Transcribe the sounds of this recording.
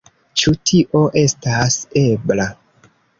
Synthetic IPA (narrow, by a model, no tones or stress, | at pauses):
t͡ʃutʰiʔo̞ʔe̞stase̞bla